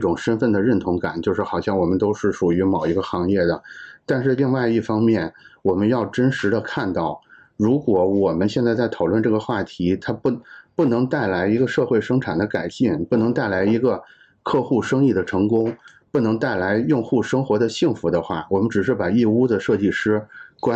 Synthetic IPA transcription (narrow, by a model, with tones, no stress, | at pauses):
ʈ͡ʂʊ˨˩ŋʂə˥nfə˥˩nd̪ə˩ɻə˥˩nt̪ʰʊ˧˥ŋka̰˨˩˦nt͡ɕjo˥˧ʊʂɻ̩˥˩xɑ˨˩ʊɕjɑ˥˩ŋwɔ˨˩mə˦nt̪o˥ʊʂɻ̩˥˩ʂu˨˩y˧˥mɑ˨˩ʊi˧˥ɡə˧xɑ˧˥ŋjɛ˥˩d̪ə˩t̪a˥˧nʂɻ̩˥˧li˥˧ŋwa˥˧ɪi˥˩fɑ˥ŋmjɛ˥˩nwɔ˨˩mə˦njɑ˥˩ʊʈ͡ʂə˥nʂɻ̩˧˥d̪ə˧kʰa˥˧nt̪ɑ˥˩ʊ | ɻu˧˥kwɔ˧˥wɔ˨˩mə˧˦nɕjɛ˥˧nt͡sa˥˧ɪt͡sa˥˩ɪt̪ʰɑ˨˩ʊlwə˥˧nʈ͡ʂɤ˥˩ɡə˩xwa˥˩t̪ʰi˧˥t̪ʰa˥ppu˥˩nɤ˧˥ŋt̪a˥˩ɪla˧˥ɪi˧˥ɡə˧ʂɤ˥˧xwe˥˩ɪʂɤ˥ŋʈ͡ʂʰa˨˩nd̪ə˦ka˨˩ɪɕi˥˩npu˥˩nɤ˧˥ŋt̪a˥˩ɪla˧˥ɪi˧˥ɡə˧ | kʰɤ˥˧xu˥˩ʂɤ˥ŋi˥˩d̪ə˩ʈ͡ʂʰɤ˧˥ŋkʊ˥ŋ | pu˥˩nɤ˧˥ŋt̪a˥˩ɪla˧˥ɪjʊ˥˧ŋxu˥˩ʂɤ˥ŋxwɔ˧˥d̪ə˧ɕi˥˩ŋfu˧˥d̪ə˧xwa̰˥˩wɔ˨˩mə˦nʈ͡ʂɻ̩˨˩ʂ̬ɻ̩˥˩pa˨˩i˥˩˧u˥d̪ə˨ʂɤ˥˧t͡ɕi˥˩ʂɻ̩˥kwa˥